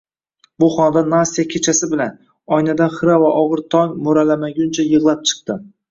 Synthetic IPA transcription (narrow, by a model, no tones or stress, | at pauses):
bʊχɒnad̪anasːijakʲʰet͡ʃʰasɪbɪlan | ɒjnad̪anχɨɾavaʔɒʁɨɾt̪ʰɒŋmoɾalamaɡʲʊnt͡ʃʰajɨʁlˠap̚t͡ʃʰɨ̥q̚t̪ɪ